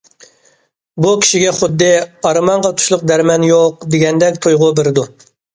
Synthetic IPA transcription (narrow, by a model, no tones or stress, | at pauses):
bukʲʰi̥ʃiɡʲɛχʊd̪ːɨɑɾɨmɑɴʁɑt̪ʰu̥ʃlˠʊq̚d̪æɾmɛnjoq̚d̪eɡʲɛnd̪ɛkʲt̪ʰojʁʊbeɾɪd̪u